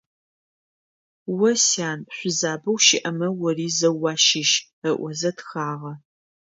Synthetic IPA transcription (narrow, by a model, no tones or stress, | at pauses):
wɐsaːnɕʷʊzaːbɐwʃɪʔɐmɐwɔriːzɐwɑːʃɪʃ | ɐʔʷɔzɐtxaːʁɐ